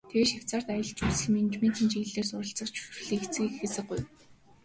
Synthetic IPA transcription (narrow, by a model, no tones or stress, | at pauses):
t̪ʰeweːʃakʲt͡saːr̥t̪ajə̆ɮt͡ɕusɘ̆ɮmint͡ɕment̪ʰĭːnt͡ɕiɣɮeːrsʊɾə̆ɬt͡sə̆χt͡ɕʰu̥ʃrɮiːt͡sɘ̆ŋxesɘ̆ɢuj